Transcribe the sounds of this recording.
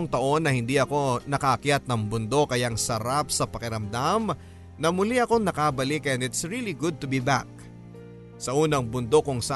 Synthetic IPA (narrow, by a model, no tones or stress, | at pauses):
ŋt̪ɐʔo̞nːɐhɪnd̪iʔɐko̞nɐkaɐkjat̪̚nɐŋbʊnd̪o̞kɐjaŋsɐɾapsɐpɐkɪɾɐmd̪am | nɐmʊliʔɐko̞ŋnɐkabɐlikɛnɪt̪sɹiliɡʊd̪̚t̪ʊbibak̚ | sɐʔuːnɐŋbʊnd̪o̞kʊŋsa